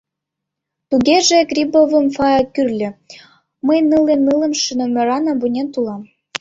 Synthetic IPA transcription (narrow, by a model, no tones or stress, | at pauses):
t̪uɣeʒĕkrʲibovɤ̆mfɑjɑkyrlʲɘ̆ | məjnɯlenːɯlɤ̆mʃənɤ̆mʲɘ̆ɾɑnɑbunʲent̪ulɑm